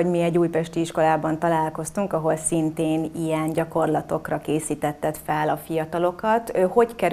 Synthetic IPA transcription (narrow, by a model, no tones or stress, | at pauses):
omiɛɟːuːjpɛʃt̪iiʃko̞laːbɒn̪t̪ɒlaːlko̞st̪uŋkɒɦo̞lsint̪eːnijɛnɟɒko̞rlɒt̪o̞krɒkeːsiːt̪ɛt̪ːɛt̪fɛlɒfijɒt̪ɒlo̞kɒt̪øho̞ckɛɾ